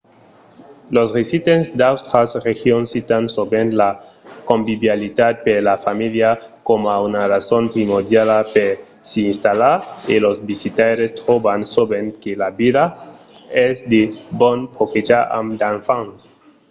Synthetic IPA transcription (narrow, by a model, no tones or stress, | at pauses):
losresit̪ensd̪awst̪ɾasrexjonsit̪ansobenla | kombiβjalid̪ad̪̚pelafamiljakomaunarasonpɾimoɾd̪jalape | siinst̪alaɾilosbisit̪aɾest̪ɾobansobenkelabiða | esd̪ebonpʰoket͡ʃaa̰md̪anfaŋ